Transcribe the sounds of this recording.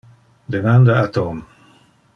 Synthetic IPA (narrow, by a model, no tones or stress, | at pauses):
d̪emãnd̪aat̪ɔm